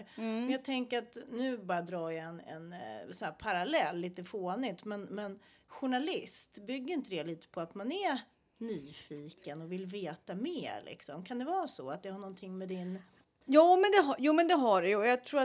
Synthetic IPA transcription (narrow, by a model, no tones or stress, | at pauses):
mɛnjɑɡt̪ʰɛŋkəɾat̪nʉ̟ːbɑːɾad̪ɾɑːɾjaɛnɛ̰nsɔæːɾpʰaɾalɛlːiːt̪əfoːnɪt̪mɛnmɛn | ɧʊɳalɪst̪bʏɡːəɾɪnt̪əd̪ɛːliːt̪ə̥pʰɔat̪manæɾ | nyːfiːkənɔvɪlveːt̪ameːɾlʔɪ̰ksɔ̰mkʰand̪ɛvɑːsɔ̰at̪̚d̪ɛhaɳɔnt̪ʰɪŋːmɛd̪ɪn | jɑːmɛnd̪ɛɦajuːmɛnd̪ɛɦaɖɛjəɔjɑt̪ʰɾuːa